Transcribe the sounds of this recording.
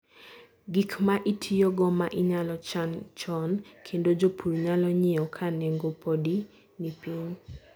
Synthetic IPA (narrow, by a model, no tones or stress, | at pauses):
ɡikmaʔitʰijɔɡɔmaʔɪɲalɔt͡ʃant͡ʃɔnkʰendod͡ʒopʰuɾɲalɔɲɪɔkʰanɛŋɡopʰodi | nipiŋ